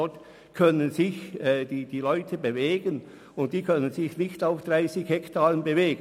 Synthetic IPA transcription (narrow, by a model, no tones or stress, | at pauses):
ɔt | kʰœnənzɪçɛːdiːd̥iːlɔʏtʰəbeveːɡən | ʊnt̚d̥iːkʰœnənzɪçnɪçtaʊfd̥ʁaɪsɪçhɛktʰaːʁənbeveːɡə